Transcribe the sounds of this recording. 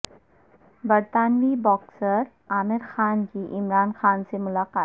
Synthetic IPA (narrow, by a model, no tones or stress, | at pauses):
bəɾt̪aːnʋiːbɔksəɾ | aːmɪɾxaːnkiʔɪmɾaːnxaːnsemulaqaːt̪